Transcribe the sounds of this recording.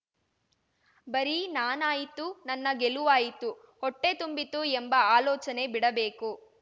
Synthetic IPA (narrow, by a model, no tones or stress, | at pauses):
bɐɾinaːnaːjit̪unɐnːɐɡeluʋaːjit̪u | hɔʈːe̞t̪umbit̪uembɐaːlɔːt͡ʃɐne̞biɽɐbe̞ːku